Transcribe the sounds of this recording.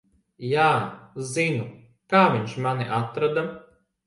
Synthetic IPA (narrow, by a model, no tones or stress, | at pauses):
jaːzinu | kaːvʲiɲʃmaniʔat̪ɾad̪a